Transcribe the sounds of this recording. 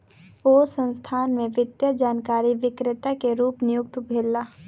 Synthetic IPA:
oːsə̃nst̪ʰaːnmẽʋɪd̪jəd͡ʒaːnkaːɾiʋɪkɾɪt̪akeɾuːpnɪjʊk̚t̪bʱeːlːaː

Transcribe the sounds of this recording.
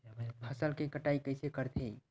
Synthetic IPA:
pʰəsəlkekəʈaikəjsekəɾt̪ʰe

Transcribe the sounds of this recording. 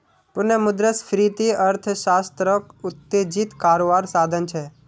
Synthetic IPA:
pʊnəmʊd̪ɾəsfɾit̪iəɾt̪ʰʃast̪ɾəkʊt̪ːed͡ʒit̪kaɾoʋaɾsad̪ʱənt͡ʃʰe

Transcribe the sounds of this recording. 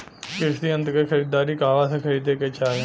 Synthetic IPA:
kɪsd̪iːə̃nt̪kekʰəɾiːd̪aːɾiːkaːʋaːsekʰəɾiːd̪eːket͡ʃaːɡ̃

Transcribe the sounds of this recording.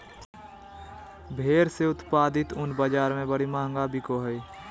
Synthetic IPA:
bʱeːɾseʊt̪paːd̪ɪt̪ʊnbəd͡ʒaːɾmẽbəɽimaːŋɡaːbikoɦəi

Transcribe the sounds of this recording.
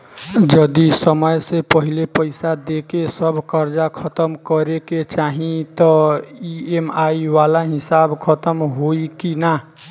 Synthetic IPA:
d͡ʒəd̪isəməjsepəɦilepəɪsad̪ekesəbʱkəɾd͡ʒakʰət̪əmkəɾeket͡ʃaɦĩt̪ɔiemaiwalaɦisabkʰət̪əmɦoikina

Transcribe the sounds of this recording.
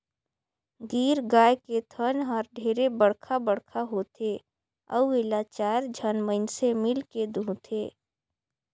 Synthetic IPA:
ɡiːɾɡaːjket̪ʰənɦəɾɖʱeːɾebəɽkʰabəɽkʰaɦoːt̪ʰe | ə̰uɪlat͡ʃaːɾd͡ʒʱənməɪnsemɪlked̪ʱũːt̪ʰeː

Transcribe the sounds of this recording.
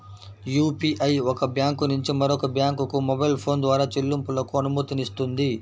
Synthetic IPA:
juːpiːʔɐjɔkɐbjaːŋkunuɲt͡ʃimɐɾokɐbjaːŋkukumɔbɐjlpʰo̞ːnd̪ʋaːɾaːt͡ʃilːumpulɐkuɐnumuːt̪inist̪und̪i

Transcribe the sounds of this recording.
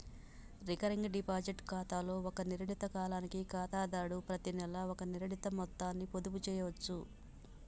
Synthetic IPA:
ɾikɐɾiŋɡɖipaːd͡ʒiʈkaːt̪aːlo̞ːɔkɐniɾɐɳit̪ɐkaːlaːnikikaːt̪aːd̪aːɽupɾɐt̪inɛlɐɔkɐniɾɐɳit̪ɐmɔt̪ːaːnːipod̪uput͡ʃɛːjɐʋɐt͡ʃːu

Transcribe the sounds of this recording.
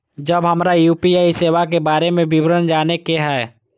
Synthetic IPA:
d͡ʒəbɦɐmɾajuːpiaːiseːʋakebaːɾemẽbɪwɾənd͡ʒaːnekeɦɛː

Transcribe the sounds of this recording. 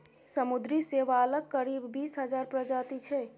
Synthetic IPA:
səmud̪ɾiseʋaləkːəɾibːisɦəd͡ʒaɾpɾəd͡ʒat̪it͡ʃʰɛ

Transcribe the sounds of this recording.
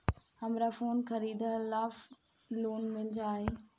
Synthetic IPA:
hɐmɾafoːnxɐɾiːd̪laːf | loːnmɪlɪd͡ʑaːɦeː

